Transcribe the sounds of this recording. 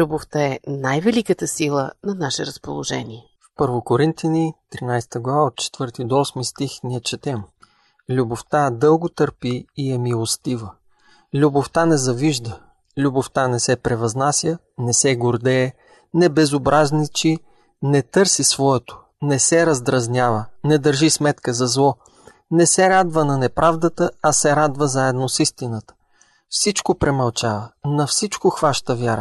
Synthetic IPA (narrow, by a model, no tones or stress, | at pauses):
lʲuboft̪aɛnajvɛlikət̪əsilˠənɐnaʃɛɾɐspo̰lˠo̰ʒɛ̰nʲiɛ | fpɤɾvokoɾint̪jənit̪ɾinajst̪əɡlˠɐvaot̪̚t͡ʃɛ̥t̪v̥ɤɾt̪id̪oɔsmist̪ixniət͡ʃɛt̪ɛm | lʲuboft̪ad̪ɤlˠɡot̪ɤɾpiːɛmilˠost̪ivə | lʲuboft̪anɛzɐviʒd̪ə | lʲuboft̪anɛsɛpɾɛvɐznasʲjə | nɛsɛɡoɾd̪ɛː | nɛbɛzobɾʔaznit͡ʃi | nɛt̪ɤɾsisvɔɛt̪ʊ̥ | nɛsɛɾɐzd̪ɾɐznʲjavənɛd̪əɾʒismɛt̪kəzɐzlˠɔ | nɛsɛɾad̪vənɐnɛpɾʔavd̪ət̪əɐsɛɾad̪vəzaɛd̪nosist̪inət̪ə̥ | fsit͡ʃkopɾɛmɐlˠt͡ʃavənɐfsit͡ʃkoxvaʃt̪əvʲjaɾə̰